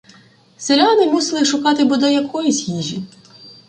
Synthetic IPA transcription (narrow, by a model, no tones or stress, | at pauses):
selʲanɪmusɪlˠɪʃʊkɑt̪ɪbɔd̪ɔjɐkʰɔjisʲhʲiʒʲi